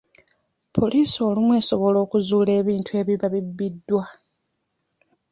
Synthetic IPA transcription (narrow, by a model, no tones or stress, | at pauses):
pʰo̞lʔiːso̞ːlimwe̞ːso̞βo̞lo̞ːkuzuːle̞ːβiːntʰue̞ːβiβaβibːidːwa